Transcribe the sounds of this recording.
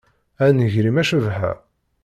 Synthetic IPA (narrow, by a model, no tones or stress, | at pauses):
ænəʝɾimæʃəvɦæ̰